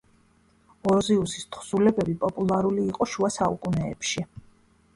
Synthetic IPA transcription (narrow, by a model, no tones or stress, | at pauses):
ɔɾziusist̪ʰχsulɛbɛbipʼɔpʼulˠaɾuliːqʼɔʃuasaṵkʼunɛːpʃi